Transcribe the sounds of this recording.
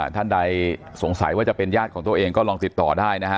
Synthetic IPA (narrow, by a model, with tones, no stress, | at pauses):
t̪ʰa˥˩nda˧j | so˩˦ŋsa̰˨˩˦jwaː˥˩t͡ɕa˨˩pe˧njaː˥˩kʰɔː˩˦ŋt̪u˧ɐʔeː˧ŋkɔː˥˩lɔː˧ŋt̪i˨˩t̪ːɔː˨˩daː˥˩jna˦˥kʰa˦˥